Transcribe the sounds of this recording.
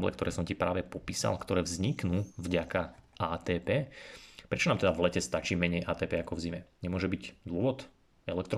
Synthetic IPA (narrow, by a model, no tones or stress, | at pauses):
blɛ̰kt̪ɔɾɛːsɔmcipɾaːʋɛpɔpiːsa̰lkt̪ɔɾɛːvzɲiknuːvɟakaaːt̪ɛːpɛːpɾɛt͡ʃɔnaːmt̪ɛd̪avlɛcɛst̪at͡ʃiːmɛɲɛjʔaːt̪ɛːpɛːakɔvzimɛɲɛmʊɔʒɛbiɟd̪ʊɔʋɔt̪ | ɛlɛkt̪ɾ